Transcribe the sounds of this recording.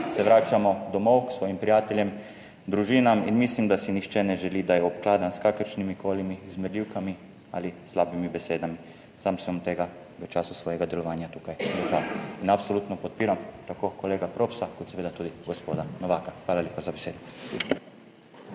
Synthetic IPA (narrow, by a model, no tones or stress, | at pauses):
sɛʋɾaːt͡ʃamod̪omowuksʋoːjimpɾijaːt̪eljem | d̪ɾuʒinaminmislimd̪asinixt͡ʃɛnɛʒɛliːd̪ajɛopklaːd̪anskakəɾt͡ʃnimikʰoːlimiːzmɛd̪lʲiːwkami | a̰lislaːbimibeseːd̪ami | saːmsɛt̪eɡa | ʋɛt͡ʃaːsusʋojeɡad̪ɛlɔʋaːnjat̪ukajɡlezainapsoluːt̪nopot̪̚piːɾamt̪akokoleːɡapɾopsakɔt̪seʋeːd̪at̪uːd̪iɡospod̪anoʋaːkaxʋaːlaljepazabeseːd̪u